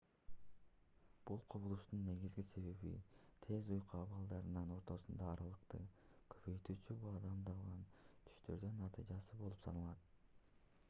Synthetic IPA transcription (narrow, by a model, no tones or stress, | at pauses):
b̥ulˠqʰoβulˠuʃt̪unːe̞ɡizɡise̞βe̞βḭt̪ʰe̞zujquɑβɑlˠd̪ɑɾɯnɑno̞ɾt̪o̞sund̪ɑːɾɑlˠɯqt̪ɯ̰ | kʰøpøjt̪yːt͡ʃybɑd̪ɑmd̪ɑlˠʁɑnt̪ʰy̥ʃt̪ø̞̰ɾd̪ynnɑt̪ɯ̰jd͡ʒɑsɯbo̞lˠupsʰɑ̰nɑlˠɑt̪̚